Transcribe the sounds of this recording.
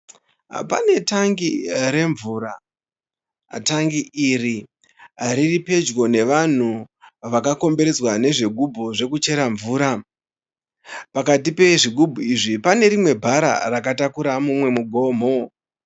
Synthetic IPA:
pa̰ne̞taŋɡiɾe̞ɱvuːɾa | taŋɡiːri | ɾiripe̞d͡ʒɡo̞ne̞ʋan̤uʋakako̞mbe̞ɾe̞zwane̞ʐeɡʱubʱuʐe̞kut͡ʃe̞ɾaɱvuːɾa | pakatipe̞ʐiɡʱubʱuiʐipane̞ɾimwe̞bʱaɾa̰rakatakuɾamumwe̞muɡʱo̞ːm̤o̞

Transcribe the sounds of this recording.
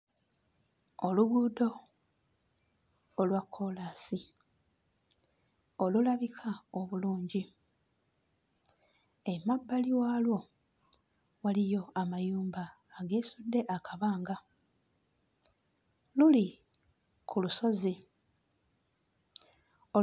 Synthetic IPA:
oluɡuːdo̞ | lwakʰːo̞laːsi | olulaβikʰaoβuluːɲɟi | emabːaliwaːlwo̞ | walijo̞amajuːmbaː | ɡe̞ːsudːe̞ʔakʰaβaːŋɡa | luli | kʰuluso̞zi | o

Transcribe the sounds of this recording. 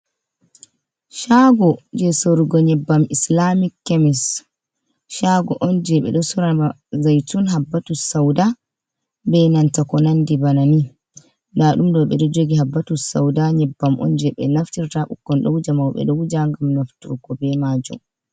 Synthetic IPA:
ʃaɡɔd͡ʒɛsoɾiɡɔɲɛbːamislamikːemis | ʃaɡɔʔɔnd͡ʒɛɓɛ̰ɗɔsuɾaa | zajtunɦabːatusawda | bɛnantakɔnandibanani | ndaɗumdɔɓɛɗɔd͡ʒoɡiɦabːatusa̰wdaɲɛbːamʔɔ̰nd͡ʒɛɓɛnaftiɾtaɓṵkːɔnɗɔwud͡ʒamawɓɛ̰ɗɔwd͡ʒaŋɡamnaftuɾɡɔbɛmad͡ʒɔ̰m

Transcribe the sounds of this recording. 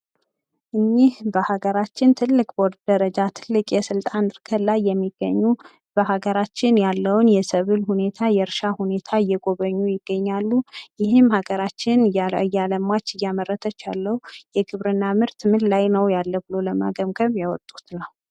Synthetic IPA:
ʔɨɲːihbəhaɡəɾat͡ʃːɪnt̪ʰɨlːɨkʼboɾd̪d̪əɾəd͡ʒat̪ʰɨlːɨkʼjɛsɨlt̪ʼanɨɾkʰəlajːɛmːiɡ̥ːə̰ɲːu | b̥əhaɡəɾat͡ʃːɪnjalːəwnjɛsəβɨlhune̞t̪ʰajɛɾʃahune̞t̪ʰaɨjːɛɡʼo̞βəɲːujɪɡ̥ːəɲːalːujɪhɪmhaɡəɾat͡ʃːɪnjaləmat͡ʃːɨjamərːət̪ʰət͡ʃːalːəhujɛɡɨβɾɨnːamɨɾt̪mɨllajnəwjalːəbɨlo̞ləma̰ɡəmɡəβjawɔt̪ʼːu̥t̪nəw

